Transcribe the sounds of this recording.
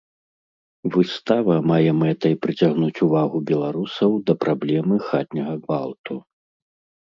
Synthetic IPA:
vɨst̪avɐmajɛmɛt̪ɐjpɾɨt͡sʲaɣnut͡sʲuvaɣubʲɛlˠaɾusɐwd̪ɐpɾʔablʲɛmɨxat̪ʲnʲɐɣɐɡvalˠt̪u

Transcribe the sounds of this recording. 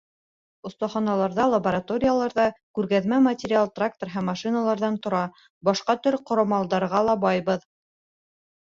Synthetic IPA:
ŏθt̪ɑχɑnɑlˠɑɾðɑlˠɐbəɾat̪o̞ɾʲɪjalˠɑɾðɑkʉɾɡæðmæmɐtʲɪɾʲɪalˠt̪rak̚t̪orɦæmːɑʃinɑlˠɑɾðɑnt̪ŏɾɑ | bɑʃqɑt̪ɵɾqŏɾɑmɑlˠd̪ɑɾʁɑlˠɑbɑjβɤð

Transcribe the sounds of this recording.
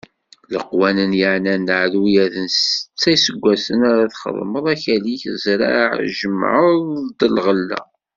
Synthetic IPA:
ləqwænənjəʕnænːʕðujæðənst͡sːæjsəɡʷːæsənaɾaθχə̰ðˤməðˤæçæliçəzɾa̰ʕʒəmːʕəðˤd̪əlʁəlːæ̰

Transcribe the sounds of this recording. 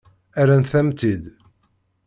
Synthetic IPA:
æɾænθæmt̪id̪

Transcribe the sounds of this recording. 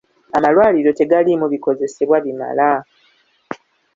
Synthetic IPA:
amalwaːliɾo̞te̞ɡalimuβiko̞ze̞se̞βwaβima̰la

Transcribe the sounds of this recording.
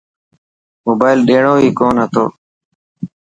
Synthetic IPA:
moːbaːɪlɗeːɳoːiːkoːnɦət̪oː

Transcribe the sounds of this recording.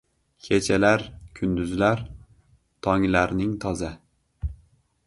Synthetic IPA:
kʲʰet͡ʃʰalaɾkʲʰʊnd̪ʊzlaɾ | t̪ʰɒŋlaɾnɪŋt̪ʰɒza

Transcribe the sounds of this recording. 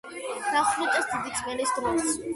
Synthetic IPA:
d̪aχlut͡ʃʼɛsd̪id̪id̪ʰʼmɛlisd̪ɾɔs

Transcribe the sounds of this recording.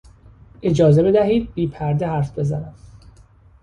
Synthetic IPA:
ʔe̞d͡ʒɒːze̞be̞d̪æhiːd̪̚biːpʰæɾd̪ehæɾfbe̞zænæm

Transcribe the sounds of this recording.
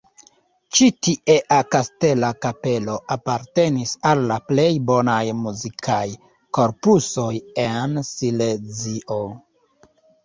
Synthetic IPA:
t͡ʃitiʔeʔakaste̞lakape̞lo̞ʔapaɾte̞nisalːaple̞jbo̞najmuzikʰaj | ko̞ɾpuso̞je̞nsiled͡ziʔo̞

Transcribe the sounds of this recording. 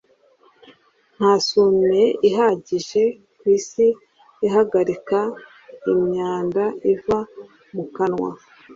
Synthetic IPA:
n̥haːsumeiɦaɟiʒe̞ | kwiːsiː | ɦaɡaɾika | imɲaːndaʔiva | mukanwa̰

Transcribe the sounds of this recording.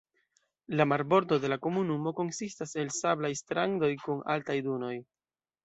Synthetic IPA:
lamaɾbo̞ɾdo̞de̞lako̞munumo̞ko̞nsistase̞lsablajstɾaŋdo̞jkuna̰ltajduno̞j

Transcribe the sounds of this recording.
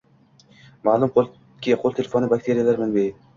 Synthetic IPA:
maːlˠumqʰolˠ | kʲiqʰolˠt̪ʰelefonɪbak̚ʲt̪ʰeɾijalaɾmɪnbe

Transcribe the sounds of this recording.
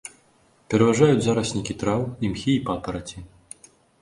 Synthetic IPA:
pʲɛɾɐvaʐajud͡zʲzaɾɐsnʲikʲit̪ɾawimxʲiːpat̪ɐɾɐt͡sʲi

